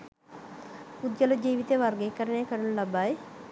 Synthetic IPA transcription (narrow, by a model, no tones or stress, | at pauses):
ud̪jɐlɐd͡ʒiːʋit̪eʋɐɾɡeːkɐɾɐneːkɐɽunlɐbaːj